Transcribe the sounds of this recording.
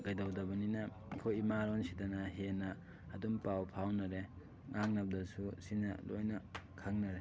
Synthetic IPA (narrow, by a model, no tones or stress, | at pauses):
kajdɐwdɐbɐninɐ | kʰojimaɾonsidɐnɐɦenɐ | ɐdumpawpʰawnɐɾe | ŋʔaŋnɐb̚dɐsusinɐ̰lo̰jnɐkʰaŋnɐɾe